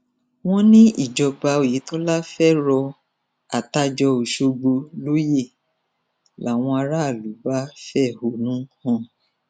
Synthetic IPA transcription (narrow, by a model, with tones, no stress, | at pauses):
w̃ɔ̃˦nĩ˦ḭ˦˨d͡ʒɔ˧ba˧o˨ji˨˦tɔ˦la˦fɛ˦ɾɔ˧ | a˨ta˧d͡ʒɔ˧o˨ʃo˧ɡ͡bo˧lo˦je˦˨ | la˨w̃ɔ̃˧a˧ɾa˦a˦˨lu˨˦ba˦fɛ˦˨ho˨nũ˨˦hɔ̃˦˨